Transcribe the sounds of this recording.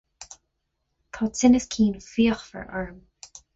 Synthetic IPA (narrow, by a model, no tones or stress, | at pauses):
t̪ʰɔːt͡sɪnəskʰiːnfiːəxfə̰ɹʔɑɹm